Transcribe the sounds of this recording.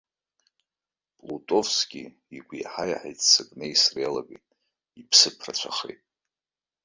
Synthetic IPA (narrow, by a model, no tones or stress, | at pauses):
pʼlutʼo̞fsɡʲʼi | iɡʷijħaja̰ħajt͡sʼʰsɨkʼnejsrealaɡitʼ | ipʰsɨpʰrat͡ɕʷʰaχejtʼ